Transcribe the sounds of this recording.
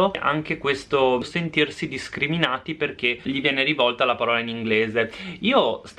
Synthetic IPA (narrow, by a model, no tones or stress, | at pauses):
oʔa̰ŋk̟ekwest̪osent̪irsid̪iskɾiminaːt̪iperk̟eʎivjɛːneɾivɔlt̪alapaɾɔːlainiŋɡleːzeiːos